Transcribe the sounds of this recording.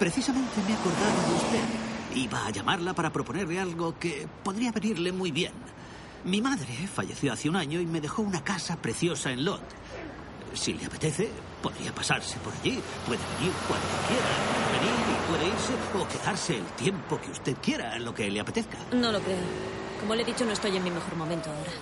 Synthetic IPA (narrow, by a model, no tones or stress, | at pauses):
pɾe̞θisamẽ̞nt̪e̞meako̞ɾðaðoðeust̪e̞ðiβaːʝamaɾlapaɾapɾo̞po̞ne̞ɾlealɣo̞ke̞po̞ðɾiaβe̞niɾle̞mujβje̞̰n | mimaðɾe̞fa̰ʝe̞̰θjo̞aθjeunaɲo̞ime̞ðe̞xo̞unakasapɾe̞θjo̞sae̞nlo̞̰t̪ | sḭle̞̰ape̞̥t̪e̞θe̞ | po̞ðɾḭapasaɾse̞po̞ɾa̰ʎipwe̞ðeβe̞̰niɾkwa̰nd̪okje̞ɾaeβe̞niɾipwe̞ðeiɾse̞o̞ke̞ðaɾse̞ːlt̪je̞mpo̞keust̪e̞ðkje̞ɾaenlo̞ke̞le̞ape̞t̪e̞θkḁno̞lokɾe̞o | ko̞moleðit͡ʃonoest̪oje̞ŋmimexo̞ɾmo̞mẽnt̪oao̞ɾa